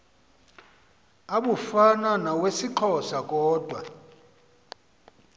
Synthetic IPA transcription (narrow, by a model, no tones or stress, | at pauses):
aɓufananawesiǃʰɔsakʼɔːd̥ʱwa̰